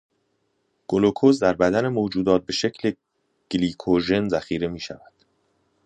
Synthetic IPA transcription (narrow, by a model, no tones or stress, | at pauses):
ɡ̥olokʰozd̪æɾbæd̪æne̞mod͡ʒuːd̪ɒːt̪̚be̞ʃe̞cʰle | ɡ̥liːkʰoʒe̞nzæxiːɾe̞miːʃæ̰væd̪̥